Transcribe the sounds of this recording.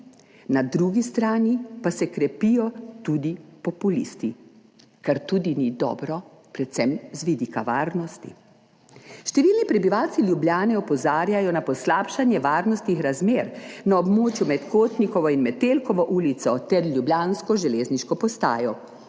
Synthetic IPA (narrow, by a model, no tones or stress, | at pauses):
nad̪ɾuːɡist̪ɾaːnipasɛkɾɛpijɔt̪uːd̪ipɔpulḭst̪i | kaɾt̪ud̪inid̪ɔ̰ːbɾɔ | pɾɛt̪sɛmzʋid̪iːkaʋaːɾnɔst̪ḭ | ʃt̪ɛʋiːlnipɾɛbiʋawt̪siljubljaːnɛɔpɔzaːɾjajɔnapɔslaːpʃanjɛʋaːɾnɔst̪nixɾazmeːɾnaɔbmoːt͡ʃjumɛt̪koːt̪nikɔʋɔinmɛt̪elkɔʋɔʔuːlit̪sɔt̪ɛɾlʲjubljaːnskɔʒɛleːzniʃkɔpɔst̪a̰ːjɔ